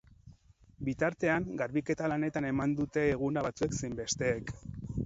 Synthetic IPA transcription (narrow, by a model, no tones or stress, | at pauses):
bit̪aɾt̪e̞aŋɡaɾβike̞t̪alane̞t̪ane̞mand̪ut̪e̞ːɣ̞unaβat͡sue̞ksejmbe̞st̪e̞ːk